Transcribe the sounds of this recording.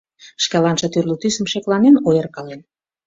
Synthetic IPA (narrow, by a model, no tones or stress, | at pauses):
ʃkɑlɑnʃɤ̆t̪yrlut̪ysəmʃeklɑnenojərkɑlen